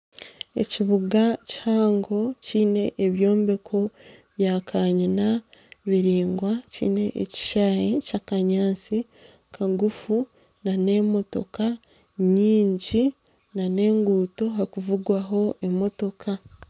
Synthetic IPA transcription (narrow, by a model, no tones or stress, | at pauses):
e̞̰ciβuɡacihaːŋɡo̞ciːne̞ʔeβjo̞ːmbe̞kʰo̞βjaːkʰaɲinaβiɾiːŋɡwacḭːne̞ʔḛci̥ʃaːjicakaɲaːt͡si | kʰaɡufu | nane̞mo̞to̞̰ka | ɲiːɲɟi | nane̞ːŋɡuːto̞ɦakuvuɡwaɦo̞ʔe̞mo̞to̞kʰa